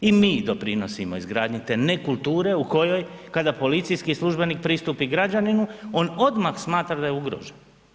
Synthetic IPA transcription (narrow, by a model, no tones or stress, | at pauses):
imiːd̪o̞pɾino̞simo̞izɡɾaːd̪ɲit̪e̞nekulˠt̪uːɾe̞uko̞jo̞jkad̪apo̞lit̪sijskislˠuʒbe̞nik̚pɾist̪uːpiɡɾad͡ʒaninuo̞no̞d̪maxsmaːt̪ɾad̪ajeuɡɾo̰ʒen